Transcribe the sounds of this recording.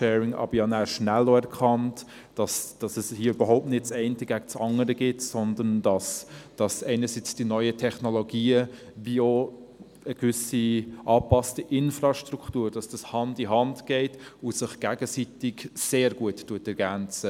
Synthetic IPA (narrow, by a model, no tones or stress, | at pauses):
ʃɛːɾɪŋʔɑ̰bəɾjɑnæːʃnæloɛɾkʰɑnt | d̥ɑsd̥ɑsɛshiːəøb̥əɾɦoʊp̚tnɪt̚t͡sɛɪntəɡækt͡sɑŋəɾəɡɪtsɔnd̪əndɑsd̥ɑsɛɪnəɾsit͡sd̥inɔʏətʰɛχnoloɡiːə | vio | əɡvʏsiʔɑːpɑstiʔɪnfrɑʃtɾuktuːɾd̥ɑsd̥ɑshɑndiɦɑndɡ̥ɛɪtʊsɪχɡ̥æɡəsitɪɡseːɾɡ̥uəttuətɛɾɡænt͡sə